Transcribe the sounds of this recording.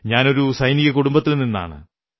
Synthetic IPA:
ɲaːno̞ɾusɐjniɣɐkuɽumbɐt̪ːilninːa̰ːɳɨ̰

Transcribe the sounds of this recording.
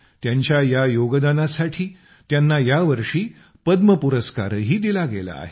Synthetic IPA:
t̪jaɲt͡ɕjajajoɡəd̪anasaʈʰiː | t̪janːajaʋəɾʂiː | pəd̪məpuɾəska̰ɾɦiːd̪ilaɡela̰ːɦe

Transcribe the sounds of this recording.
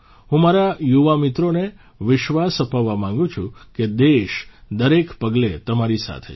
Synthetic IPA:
ɦũmaɾajuʋamɪt̪ɾone | ʋɪʃʋasəpaʋːamãŋ̆ɡũt͡ʃʰũked̪eʃd̪əɾekpəɡlet̪əmaɾisa̰t̪ʰe

